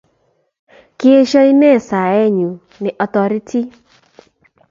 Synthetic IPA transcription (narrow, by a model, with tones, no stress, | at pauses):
ki˦e˦ʃɔ˦i˦nɛ˦˨sa˨ɛ˦˨ɲũ˨ | nɪ˨ʔɔ˧tɔ˧ɾi˦tʰi˦